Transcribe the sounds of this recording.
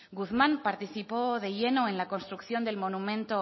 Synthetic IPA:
ɡuθmãnpaɾt̪iθipoðe̞ʝe̞no̞ẽ̞nlakonst̪ɾukθjo̞nd̪e̞lmo̞numẽnt̪o

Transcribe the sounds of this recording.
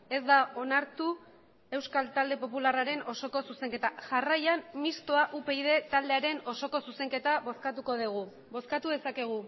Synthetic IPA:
e̞zd̪ao̞naɾt̪u | e̞wskalt̪ald̪e̞po̞pularaɾe̞no̞so̞ko̞suse̞ŋke̞t̪aʝarajanmist̪oaʔupe̞ið̞e̞t̪ald̪e̞aɾe̞no̞so̞ko̞suse̞ŋke̞t̪aβo̞skat̪uko̞ð̞iɣ̞u | βo̞skat̪uðe̞sake̞ɣ̞u

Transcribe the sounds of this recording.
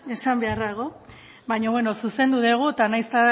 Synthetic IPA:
e̞sambe̞aɾðaɣ̞o̞ | baɲoβwe̞no̞suse̞nd̪uðeɣ̞ut̪anajst̪a

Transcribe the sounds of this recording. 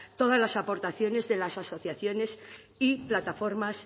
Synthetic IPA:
t̪o̞ð̞azlasapo̞ɾt̪aθjo̞ne̞zðe̞lasaso̞θjaθjo̞ne̞s | iplat̪afo̞ɾmas

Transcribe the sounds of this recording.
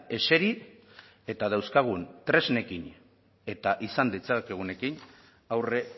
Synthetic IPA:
e̞se̞ɾi | e̞t̪að̞awskaɣ̞unt̪ɾe̞zne̞kin | e̞t̪aʔisand̪it͡sakeɣ̞une̞kin | awre̞

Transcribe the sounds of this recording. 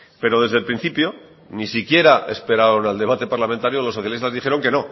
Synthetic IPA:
pe̞ɾo̞ð̞e̞zðe̞lpɾin̟θipjo̞ | nisikje̞ɾaʔe̞̰spe̞ɾaɾonald̪e̞β̞at̪epaɾlamẽnt̪aɾjolo̞so̞θjalist̪azðixe̞ɾo̞ŋke̞no̞

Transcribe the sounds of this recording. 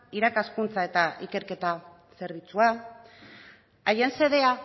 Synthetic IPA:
iɾakaskunt͡sae̞t̪aʔike̞ɾke̞t̪a | se̞ɾβ̞it͡sua | ajense̞ðe̞a

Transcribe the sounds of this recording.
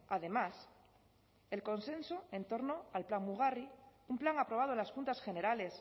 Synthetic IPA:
að̞e̞mas | e̞lkõ̞nsẽ̞nsoẽ̞nt̪o̞ɾno̞alplaŋmuɣ̞ariumplaŋapɾo̞β̞að̞oenlasxunt̪asxe̞ne̞ɾale̞s

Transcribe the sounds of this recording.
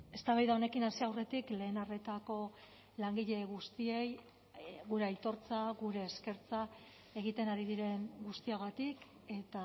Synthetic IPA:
e̞st̪aβajðaone̞kinasiawre̞t̪ikle̞ːnare̞t̪ako̞ | laŋɡiʎe̞ɣust̪ie̞j | ɣuɾe̞ajt̪o̞ɾt͡saɣuɾe̞ːske̞ɾt͡sa | e̞ɣ̞it̪e̞naɾiðiɾe̞ŋɡust̪iaɣ̞at̪ik | e̞t̪a

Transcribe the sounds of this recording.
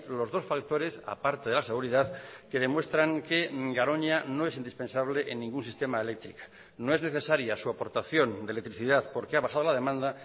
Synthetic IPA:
lo̞zð̞o̞sfakt̪o̞ɾe̞sa̰paɾt̪eðe̞lase̞ɣuɾiðaðke̞ðe̞mwe̞st̪ɾaŋke̞ɡaɾo̞ɲano̞e̞sind̪ispẽ̞nsaβleʔenːĩŋɡunsist̪e̞maelek̚t̪ɾikḁ | noe̞zne̞θe̞saɾjasuapo̞ɾt̪aθjo̞nd̪elek̚t̪ɾiθiðaθpo̞ɾkeaβaxað̞olaðe̞mãnd̪a

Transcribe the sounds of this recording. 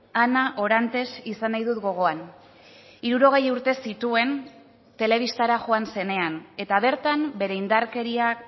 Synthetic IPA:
anaʔo̞ɾant̪e̞sisanajðut̪ɡo̞ɣ̞o̞an | iɾuɾo̞ɣ̞e̞juɾt̪e̞sit̪ue̞n | t̪e̞le̞β̞ist̪aɾaʝo̞anse̞ne̞ane̞t̪aβ̞e̞ɾt̪ambe̞ɾe̞ind̪aɾke̞ɾiak

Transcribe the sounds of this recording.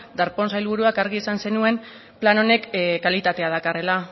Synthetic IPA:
d̪aɾpo̞ns̬ajlβuɾuakaɾɣiesanse̞nue̞m | plano̞ne̞kkːalit̪at̪e̞að̞akare̞la

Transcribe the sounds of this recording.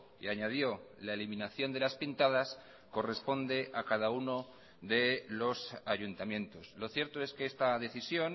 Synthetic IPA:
iaɲaðjo̞laeliminaθjo̞nd̪e̞laspint̪að̞as | ko̞re̞spo̞nd̪e̞ʔakað̞auno̞ | ðe̞lo̞saʝunt̪amjẽ̞nt̪o̞slo̞θje̞ɾt̪o̞e̞skeest̪aðe̞θisjo̞n

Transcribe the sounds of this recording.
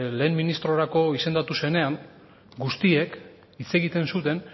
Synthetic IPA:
le̞ːmminist̪ɾo̞ɾako̞ise̞nd̪at̪use̞ne̞aŋ | ɡust̪ie̞k | it͡se̞ɣit̪e̞nsut̪e̞n

